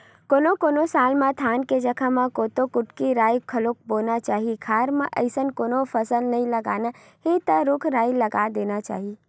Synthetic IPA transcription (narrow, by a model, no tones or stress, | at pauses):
koːnokoːnosaːlmãt̪ʰaːnked͡ʒəkʰãmãkoːt̪okʊʈkiɾaːjkʰəlok̚boːnat͡ʃaːɦikʰaːɾmãʔə̰ɪsənkoːnopʰəsəlnɐĩləɡaːna | hit̪əɾʊkʰɾaːiləɡad̪eːnat͡ʃa̰ːɦi